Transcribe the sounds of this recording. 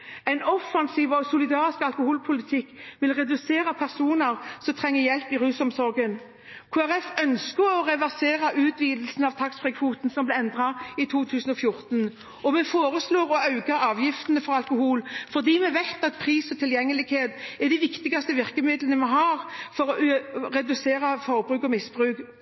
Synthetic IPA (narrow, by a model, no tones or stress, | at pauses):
æɪnɔfːɑnsiːʋɔsʊlɪd̪ɑːɾɪskɑlkʊhuːlpʰʊlɪt̪ʰɪkːʋɪlʁɛd̪ʉseːɾɑpʰæʁsuːnəʁsɔmt̪ʰʁɛŋːəjɛlpɪʁʉːsɔmsɔɾɡən | kʰoːæʁɛfœnskəɾɔʁɛʋæʁseːɾɑʔʉːt̪ʰʋiːd̪l̩snɑʋt̪ʰɑksfʁɛkʰfuːt̪n̩sɔmblɛɪɛnd̪ʁɑɪt̪ʰuːt̪ʰʉːsənɔfjʊɾt̪ən | ɔmɛfoːɾəsloːʁɔɑʉɡɑɑːʋjɪft̪ənəfɔɾɑlkʊhuːlfɔʁd̪iːmɛʋæɪt̪ɑt̪̚pʰʁiːsɔt̪ʰɪljɛŋːəlɪɡheːt̪ɛd̪ɪʋɪkt̪ɪɡɑst̪əʋɪʁkəmɪd̪lənəmɛɦɑːɾfɔɾɔɾɛd̪ʉseːɾɑfɔʁbʁʉːkɔmɪsbʁʉːɡ